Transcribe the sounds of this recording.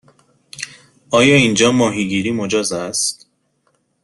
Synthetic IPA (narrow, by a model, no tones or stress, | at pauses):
ʔɒːjɒːind͡ʒɒːmɒːɦiːɡiːɾiːmod͡ʒɒːzæst̪